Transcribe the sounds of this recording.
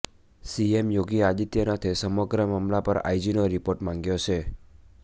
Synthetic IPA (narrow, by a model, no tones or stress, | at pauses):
siemjoɡiad̪it̪jənat̪ʰisəməɡɾəmamlapəɾa̰jd͡ʒinoɾipoɾʈmãŋɡjot͡ʃʰe